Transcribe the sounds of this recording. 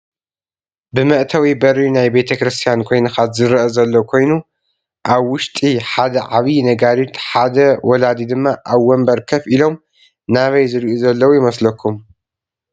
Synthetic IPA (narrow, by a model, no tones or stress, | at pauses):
bɨmɐʔt̪ʰɐwibɐɾinajbe̞t̪ʰɐkɾɨst̪ʰijankʰo̞jnɐkat̪zɨɾɐʔɐzɐlːokʷʰo̞jnu | ʔaβwʊʃt̪ʼiħad̪ɐʕaβinɐɡaɾit̪ħad̪ɐwɔlad̪id̪ɨmːaʔaβwɔmbɐɾkʰɐfilo̞m | naβɐjzɨɾʔuzɐlːɐwujɪmɐslɐkʰːum